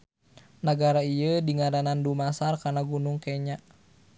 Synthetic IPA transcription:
naɡaɾaiədiŋaɾanandumasarkanaɡunuŋkɛɲaʔ

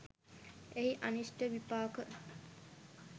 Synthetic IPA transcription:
eɦiʔɐnisʈəʋipaːkə

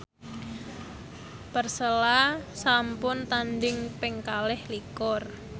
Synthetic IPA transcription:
pərsəlasampʊnt̪andɪŋpɪŋkalɛhlikʊr

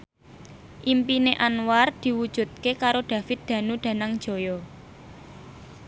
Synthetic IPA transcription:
ʔimpineʔanward̪̥i̤wud̥ʒ̥ṳt̪̚kekaɾoɖ̪̥ä̤fɪt̪̚d̪̥ä̤nuɖ̪̥ä̤naŋd̥ʒ̥o̤jɔ

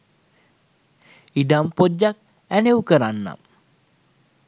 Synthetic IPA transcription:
idampod͡ʒak̚ | ænewkəɾanːa̰m

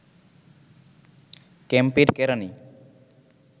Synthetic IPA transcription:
kɛmpeɾkɛɾani

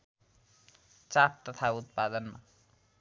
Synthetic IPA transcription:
t͡saɾ̚t̪ʌt̪ʰaut̪̚pad̪ʌnma̰

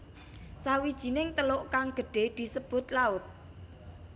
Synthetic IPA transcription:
sawid̥ʒ̥i̤nɪŋt̪əlʊʔkaŋɡ̥ə̤ɖ̥e̤d̪̥i̤səb̥ʊ̤t̪̚laʊt̪̚

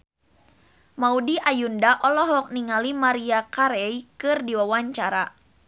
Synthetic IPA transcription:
maudiʔajundaʔɔlɔɦɔk̚niŋalimaɾiakaɾɛikɨrdiwawaɲt͡ʃaɾa

